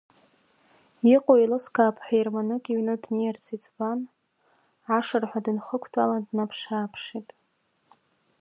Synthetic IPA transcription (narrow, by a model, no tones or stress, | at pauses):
iqʼojlɨskʰaːpʰħʷᶣajrmanɨkʼiɥnɨdnijart͡sʰit͡sʼban | ʕaʂarħʷadɨnχəkʷʰtʰʼaladnapʰʂaːpʰʂitʼ